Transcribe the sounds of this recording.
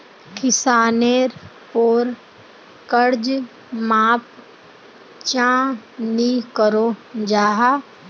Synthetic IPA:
kɪsaːneːɾ | poːɾ | kəɾd͡ʒ | maːp̚ | t͡ʃãːnikəɾod͡ʒaːɦaː

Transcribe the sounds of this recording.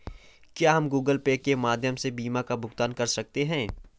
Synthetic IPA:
kjaːɦɐmɡuːɡəlpeːkːemaːd̪ʱjəmsebiːmakabʱʊxt̪aːnkɐɾsɐk̚t̪eɦɛ̃ː

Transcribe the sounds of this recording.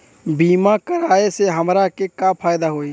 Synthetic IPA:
biːmakəɾaːeseɦəmɾakekapʰaːjd̪aɦoːi

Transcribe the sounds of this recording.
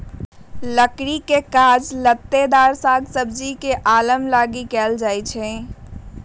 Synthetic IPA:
ləkɾikekad͡ʒlət̪ːed̪aɾsaɡsəbd͡ʒikeʔaləmlaɡikɛːld͡ʒajt͡ʃʰɛ̃

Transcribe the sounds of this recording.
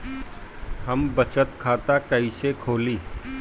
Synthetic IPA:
hɐmbɐt͡ʃət̪kʰaːt̪akɐisekʰoːliː

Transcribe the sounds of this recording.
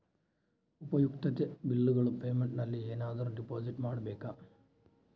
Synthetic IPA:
ubɐjukt̪ɐt̪ːɨbilːuɣɐɭumpeːmeɳɖnɐlːieːnaːd̪ɐrɖipːo̞ːsiʈːmaːɽɨbe̞ːkːa

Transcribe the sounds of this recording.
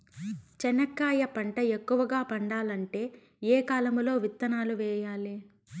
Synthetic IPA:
t͡ʃɛnɐkːaːjɐpɐɳʈɐekːuʋɐɡaːpɐɳɖaːlɐɳʈe̞ː | eːkaːlɐmlo̞ːʋit̪ːɐnaːluʋɛːjaːle

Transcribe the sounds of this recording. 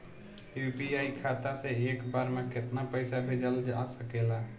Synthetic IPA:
jupiaikʰat̪asẽekbaɾmeket̪napəɪsabʱed͡ʒəld͡ʒasəkela

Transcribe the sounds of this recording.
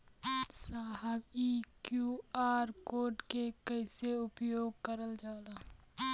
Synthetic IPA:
saːɦəbiːkjuːaːɾkoːɖkekəɪseʊpjoːɡkəɾəld͡ʒaːlaː

